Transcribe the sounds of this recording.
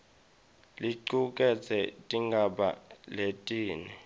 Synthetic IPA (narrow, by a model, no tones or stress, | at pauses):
liǀukʼɛt͡sʰɛtʼiŋɡʱaɓa̰letʼiːnɛ